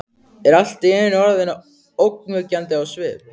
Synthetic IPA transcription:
ɛɾal̥t̪ɛnɪnɔɾaðenːa | owkmʏcant̪ɪawsvɪð

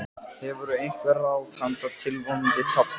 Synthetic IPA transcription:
hɛvʏɾʏejŋ̥kvɛɾawθhant̪ʰat̪ʰːɪlvɔnɪt̪ʰɔp̪

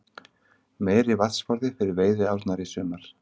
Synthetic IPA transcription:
meːjɾɪvat̪sfɔɾðɪfɪɾɪɾveːjðɪawɾt̪naɾisʏːmaɾ̥

